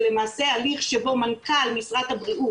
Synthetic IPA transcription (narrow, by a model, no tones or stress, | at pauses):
le̞maːse̞aliχʃebo̞mankalmisʁat̪habʁiʔu